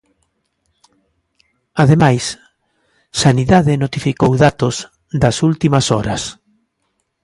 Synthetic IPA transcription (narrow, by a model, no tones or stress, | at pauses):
aðemajs | saniðaðɪnot̪ifikowðat̪ʊz | ðɐsult̪imɐsɔɾɐs